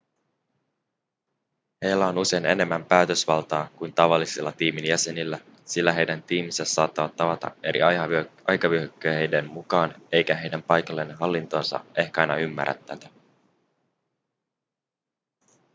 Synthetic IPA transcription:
he̞jlːæo̞nuse̞jne̞̰ne̞mːæmpæːt̪ø̞sʋɑlt̪ɑːkujnt̪ɑʋɑlːiselːɑt̪iːminjæse̞nilːæ | silːæɦe̞jdænt̪iːmisesɑːt̪ːɑʋɑt̪ːɑʋɑt̪ɑ̰e̞ɾʔḭɑʔɑjkɑʋyøkːøejde̞mmukɑːne̞jkæɦe̞jdæmpɑjkɑlːenɦɑlːint̪o̞ːnsɑ̰ʔe̞hkæɑjnɑymːæ̰ɾæ̰t̪ːæ̰t̪æ

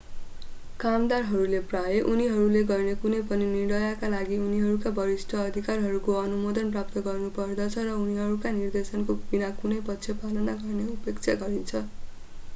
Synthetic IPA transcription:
kamd̪arɦʌɾuleprajeʔuniɦʌɾuleɡʌrnekunʌjpʌniniɽʌjakalaɡiuniɦʌɾukabʌɾist̪ʰʌːd̪ʱikarɦʌɾukoʌnumod̪ʌnprap̚t̪ʌɡʌrnupʌrd̪ʌt͡sʰʌɾʌuniɦʌɾukanird̪esʌnkobinakunʌjpʌtːsʰjʌpalʌnaɡʌrneupekt͡sʰaɡʌɾint͡sʰʌ

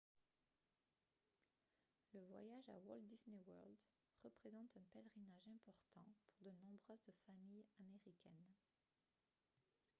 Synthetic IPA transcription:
ləvwa̰jaʒa̰wɔld̪iznewœʁld̪ | ʁəpχezɑ̃t̪ɛ̃pɛlʁinaʒɛ̃pɔʁt̪ɑ̃puʁd̪ənɔ̃bʁøzfamijameʁikʲɛn

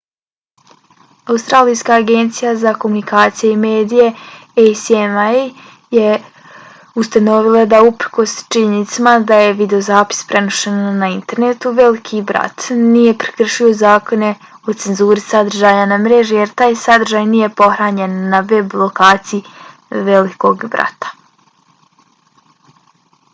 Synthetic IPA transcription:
aust̪ɾaːlijskaːɡe̞nt̪sijazako̞munikaːt̪sijeime̞ːd̪ije̞ejsema | je | ust̪ano̞ʋilˠad̪aupɾko̞st͡ʃiɲenit̪samad̪aje̞ʋid̪eozaːpi̥spɾe̞noʃenːaint̪e̞ɾnet̪uʋe̞likʰibɾa̰t̪nije̞pɾi̥kr̩ʃio̞zaːko̞ne̞ | o̞t̪senzuːɾisad̪r̩ʒaːɲanamɾeʒijeɾt̪aːjsad̪r̩ʒaːjnije̞po̞xɾaːɲe̞nːaʋeblˠokaːt̪siji | ʋeliko̞ɡbɾa̰t̪ḁ

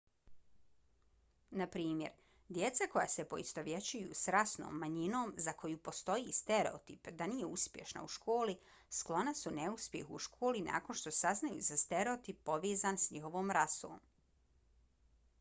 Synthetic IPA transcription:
napɾiːmjḛɾ | d̪je̞t̪sako̞ja̰ːsepo̞ist̪o̞ʋje̞t͡ɕujṵsɾasno̰ːmːaɲino̞ːmzako̞jupo̞st̪o̞jist̪eɾḛot̪ipd̪aniːje̞uspʲjeʃna̰uʃko̞ːli | sklˠo̞nasune̞uspʲje̞̰xuʃkʰoːlina̰ːkonʃt̪o̞saznajṵzast̪eɾeot̪ipːo̞ʋeːzaːnsɲixo̞ʋoːmɾaso̰ːm

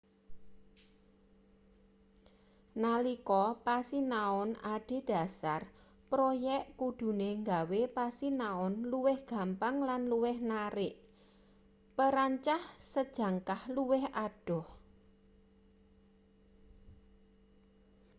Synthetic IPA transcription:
nalikɔpasinaʊnʔaɖ̥e̤d̥a̤sar | pɾojɛʔkud̥ṳneŋɡawepasinaʊnluwɪhɡ̥ä̤mpaŋlanluwɪhnaɾɪʔ | pəɾaɲt͡ʃahsəd̥ʒ̥ä̤ŋkahluwɪhaɖ̥ɔ̤h

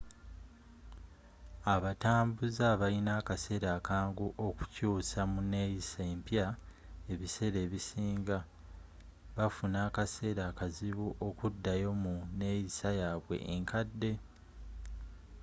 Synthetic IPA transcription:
aβataːmbuzaβalinaːkase̞ːɾaːkaːŋɡuʔo̞ku̥cuːsamune̞jiseːmpja | e̞βise̞ɾe̞ːβisiːŋɡa | βafunaːkase̞ːɾaːkaziβuʔo̞kudːajo̞mune̞jisajaːβwe̞̰ʔːŋkʰadːe̞

